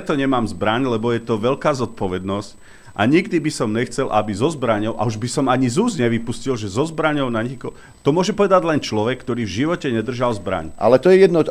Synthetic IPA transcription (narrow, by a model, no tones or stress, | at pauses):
ɛt̪ɔɲɛmaːmzbɾaɲlɛbɔjɛt̪ɔʋɛʎkaːzɔt̪̚pɔʋɛd̪nɔsc | ʔa̰ɲiɡd̪ibisɔmɲɛxt͡sɛlʔabizɔzbɾaɲɔʊʔa̰uʒbisɔmaɲizuːzɲɛʋipuscilʒɛzɔzbɾaɲɔʊnaɲikɔ | t̪ɔmʊɔʒɛpɔʋɛd̪aɟlɛnt͡ʃlɔʋɛkːt̪ɔɾiːvʒiʋɔcɛɲɛd̪r̩ʒalzbɾa̰ɲʔa̰lɛt̪ɔjɛjɛd̪nɔ